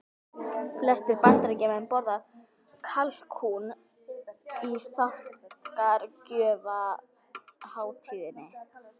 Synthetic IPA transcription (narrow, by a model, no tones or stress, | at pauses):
flɛst̪ɪɾpant̪aɾecɪmampɔɾða | kʰalkʰun | iθawht̪kaɾcœːva | haːwt̪ʰiːðɪnːɪ